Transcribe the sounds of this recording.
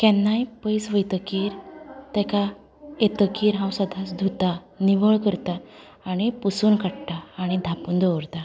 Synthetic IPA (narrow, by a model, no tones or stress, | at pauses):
kɛnːajpəjsʋəjt̪əkiːɾt̪ɛka | et̪əkiːɾɦãwsad̪ʱasd̪ʱut̪a | niʋəɭkəɾt̪aː | ɽ̃ipusuːnkaʈʈ̪aːɽ̃id̪ʱapuːnd̪ʱɔʋəɾt̪a